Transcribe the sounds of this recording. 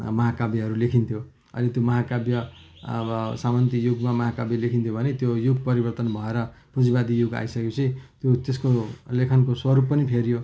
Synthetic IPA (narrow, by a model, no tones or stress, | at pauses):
mʌɦakabjaɦʌɾulekʰint̪ʰjo | ʌ̰jlet̪jomʌɦakabjʌ | ʌsamant̪ijuɡmamʌɦakabjalekʰint̪ʰjobʱʌnet̪jojuɡpʌɾibʌrt̪ʌnbʱʌeɾʌpud͡zibad̪ijuɡa̰jsʌkekut͡sʰit̪jot̪eskolekʰʌnkoswʌɾupːʌnipʰeɾjo